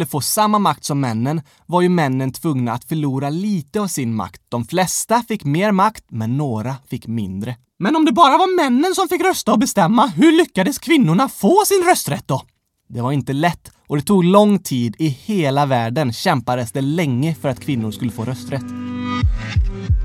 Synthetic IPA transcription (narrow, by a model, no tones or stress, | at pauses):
lːəfoːsamːamak̚t̪sɔmːɛnːən | vaɾjɵmɛnːənt̪ʰvɵŋnaːt̪fœɭuːɾaliːt̪əavsɪnma̰kt̪̚d̪̥ɔmflɛst̪afɪkːmeːɾmakt̪mɛnːoːɾafɪkːmɪnd̪ɾə | mɛnɔmd̪ɛbɑːɾavaɾmɛnːənsɔmfɪkːɾœst̪aɔbɛst̪ɛmːaɦɵɭʏkːad̪əskʰvɪnːʊɳafoːsɪnɾœst̪ɾɛt̪̚d̪ɔ | d̪ɛvaɾɪnt̪əlɛt̪ː | ɔd̪ɛt̪ʰuːɡlɔŋːt̪ʰiːd̪ɪheːlavæːɖənɕɛmpad̪əsd̪ɛlɛŋːəfœɾat̪kʰvɪnːʊɾʂkɵlːəfoːɾœst̪ɾɛt̪ː